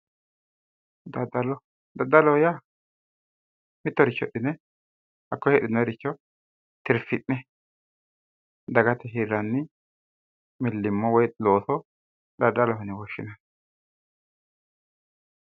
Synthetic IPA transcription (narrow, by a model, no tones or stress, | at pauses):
d̪ɐd̪ɐlɔ | d̪ɐd̪ɐlɔja | mɪt̪ːɔɾɪt͡ʃːɔɗɪnɛ | hɐkːɔhɛɗɪnːɔjɛɾɪt͡ʃːɔ | t̪ɪɾfɪʔnɛ | d̪ɐɡɐt̪ɛɦiːɾɐnːɪ | mɪlːɪmːɔwɔjloːsɔ | d̪ɐd̪ːɐlɔɦɔnɪwɔʃːɪnɐ